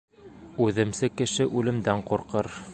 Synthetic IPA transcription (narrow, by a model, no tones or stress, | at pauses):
ʉðɘ̆msɘkɘ̆ʃɘʔʉlɘ̆md̪æɴquɾqɤɾ